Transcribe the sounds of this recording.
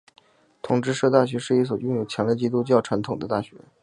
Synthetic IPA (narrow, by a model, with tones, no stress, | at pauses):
t̪ʰʊ˨˩ŋʈ͡ʂɻ̩˥ʂɤ˥˧t̪a˥˩ɕɥɛ˧˥ʂɻ̩˥˧i˥˩s̬wɔ˨˩jʊ˥˩ŋjo˨˩ʊt͡ɕʰjɑ˧˥ŋljt͡ɕi˥t̪u˥t͡ɕjɑ˥˩ʊʈ͡ʂʰa˧˥nt̪ʰʊ˨˩ŋd̪ə˦t̪a˥˩ɕɥɛ̰˧˥